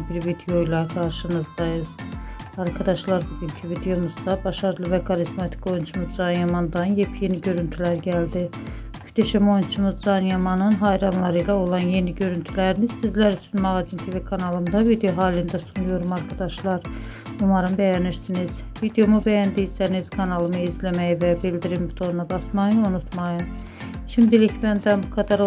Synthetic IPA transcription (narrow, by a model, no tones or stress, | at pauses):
biɾvid̪ejo̞ilˠɑɡɑɾʃɯnɯzd̪ɑjɯz̥ɑɾkʰɑd̪ɑʃlˠɑɾbuɡyncʰivid̪ejo̞muzd̪ɑbɑʃɑɾɯlˠɯvækʰɑɾizmɑt̪ʰi̥ko̞junt͡ʃʰumuzd͡ʒɑnjɑmɑnd̪ɑnjepʰje̞niɟø̞ɾynt̪ʰylæɾɟæld̪i | yd̪æʃæmo̞jnt͡ʃʰumuzd͡ʒɑnjɑmɑnɯnɦɑjɾɑnlˠɑɾɯjlˠɑo̞lˠɑnje̞niɟø̞ɾynt̪ʰylæɾiniz̥sizlæɾyt͡ʃ̪ʰynmɑʁɑzint̪ʰeɾvekʰɑnɑlˠɯmd̪ɑvid̪ejoɦɑːlind̪æsunujoɾumɑɾkʰɑd̪ɑʃlˠɑɾumˠɑɾɯnbæjæniɾsiniz̥ | vid̪ejo̞mubæjænd̪iisænizkʰɑnɑlˠɯmɯizlæmæjivæbild̪iɾimbit̪ʰoɾnɑbɑsmɑjɯunut̪ʰmɑjɯm | ʃimd̪ilicʰbænd̪ænbukʰɑd̪ɑɾ